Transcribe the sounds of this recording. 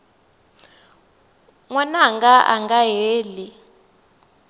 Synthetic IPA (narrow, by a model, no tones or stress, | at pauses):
ŋwɛnaŋɡaʔa̰ŋɡaɦeːli